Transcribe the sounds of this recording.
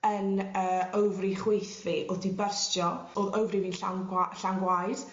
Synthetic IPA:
ənəːəwvriχwejθviʔɔdibərstjɔoːðəwvriviːnɬaaɬaŋɡwajd̥

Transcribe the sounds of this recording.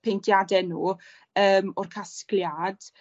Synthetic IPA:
pʰeŋkʰjadɛnuː | əːmɔrkʰaskljad̥

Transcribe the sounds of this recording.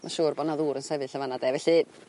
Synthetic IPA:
mʔaʃuːrbɔdnaðuːɾənsɛvɨɬəvanadɛvɛɬi

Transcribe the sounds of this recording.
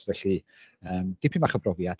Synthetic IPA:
vɛɬi | əːmd̥ipʰimaχəbrɔvjad̥

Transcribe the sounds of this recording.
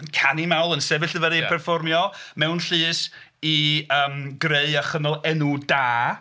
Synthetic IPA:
ənkʰanimawlˠənsɛvɪɬəvəɾipʰɛrfɔrmjɔmɛwnɬɨːs | iəːmɡreɨaχənɔlˠɛnudaː

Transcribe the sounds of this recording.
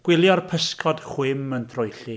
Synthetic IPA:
ɡ̥wɪlˠjɔrpʰəskʰɔd̥χwɪməndʰrʊjɬi

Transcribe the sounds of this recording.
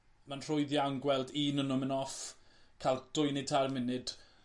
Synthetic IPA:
manr̥ʊɨðjaŋɡwɛlˠdiːnənʊmənɔfkʰalˠd̥ʊjnɪtʰarmɪnɨd̥

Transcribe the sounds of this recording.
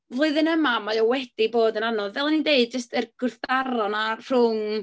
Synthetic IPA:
vlˠʊɨðənəmamajɔwɛd̥iboːdənanɔðvɛlˠɛnindeɨd̚d͡ʒəstʰərɡ̥ʊrθd̥aɾɔnar̥ʊŋ

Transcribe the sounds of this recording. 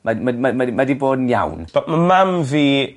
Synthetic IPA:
mamamamaimadiboːdənja̰wnbamamamviː

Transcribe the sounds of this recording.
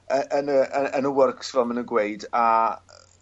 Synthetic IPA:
əʔənəəənəwərksvɛlˠmənəɡweɨda

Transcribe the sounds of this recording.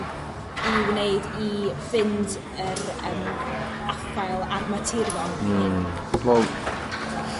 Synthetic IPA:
iwneɨdifɪnd | əɾəm | afkʰajlˠarmatʰɪɾjɔn | low

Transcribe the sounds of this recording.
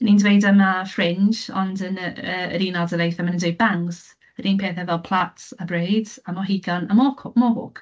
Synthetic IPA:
ənindwejdamafrɪnd͡ʒɔ̰ndənəəə̰ɾiːnalˠdəlejθəmənədeb̥aŋz̥ | əɾiːnpʰeθɛvɛlˠpʰl̥ˠatabɾejdamɔɦiɡ̥anamɔkʰmɔhʊk

